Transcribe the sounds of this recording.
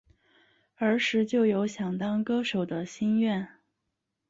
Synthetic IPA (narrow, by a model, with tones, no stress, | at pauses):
ə˞˧˥ʂɻ̩˧˥t͡ɕjo˥˩ʊjo˧˥ʊɕjɑ˨˩ŋt̪ɑ˥ŋkɤ˥ʂo˨˩ʊd̪ə˦ɕi˥nɥɛ˥˩n